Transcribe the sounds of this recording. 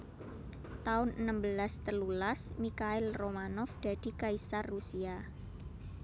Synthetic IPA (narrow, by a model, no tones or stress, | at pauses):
t̪aʊnənambəlast̪əlulasmikaɪlromanɔfd̪̥a̤d̪̥i̤kaisarːusia